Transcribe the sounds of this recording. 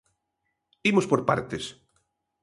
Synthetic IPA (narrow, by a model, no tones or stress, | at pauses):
imospoɾpa̰ɾt̪es